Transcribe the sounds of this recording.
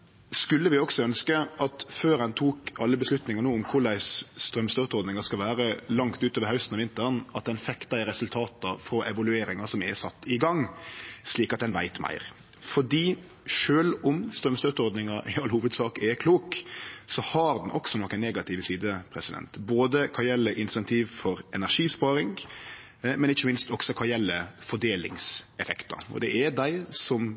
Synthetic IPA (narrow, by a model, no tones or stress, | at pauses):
skʉlːəʋɪɔksɔœnskəɑt̪føːɾɛnt̪ʰuːkɑlːəbəslʉt̪nɪŋɑɾnuːʊmkʰʊɾlæɪsst̪ɾœmst̪øːt̪ɔɾd̪nɪŋɑskɑlʋæːɾəlɑŋkt̪ʉːt̪oːʋəɾhɑʉst̪n̩ɑʋɪnt̪əɾnɑt̪̚d̪ɛnfɛkt̪ɑɪɾɛsʉlt̪ʰɑːt̪ɑfɔʔɛʋɑlʉeːɾɪŋɑsɔmɛsɑt̪ːɪɡɑŋːsliːkɑt̪̚d̪ɛnʋæ̰ɪt̪mæ̰ɪɾ | fɔɖiː | ʂøːlʊmst̪ɾœmst̪øːt̪ɔɾd̪nɪŋɑʔɪɑlːhuːʋəd̪sɑːkɛkʰluːksɔhɑɾd̪nʔɔksɔnɔkːənnːeːɡɑt̪ʰɪʋəsiːd̪əpʰɾɛsɪd̪ɛ̰nt̪boːd̪əkʰɑjɛlːəʔɪnsɛnt̪ʰiːʋfɔɾɛnæɾʂiːspɑːɾɪŋ | mɛnɪçːəmɪnst̪ɔksɔkʰɑjɛlːəfɔɖeːlɪ̰ŋsɛfɛkt̪ɑ̰ɔ̰d̪ɛʔɛd̪æɪsɔm